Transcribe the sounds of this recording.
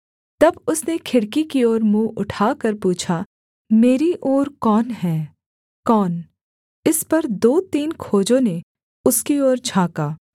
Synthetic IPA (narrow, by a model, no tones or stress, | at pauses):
t̪ɐbʊsnekʰɪɽkikiɔːɾmũːʊʈʰaːkɐɾpuːt͡ʃʰa | meːɾiʔɔːɾkɔːnɦɛː | kɔːn | ɪspɐɾd̪oːt̪iːnkʰoːd͡ʒõne | ʊskiɔːɾd͡ʒʱãːkaː